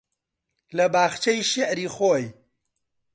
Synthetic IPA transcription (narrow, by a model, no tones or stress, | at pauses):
lɐbaːxt͡ʃɐjʃɪʕɾiːxoːj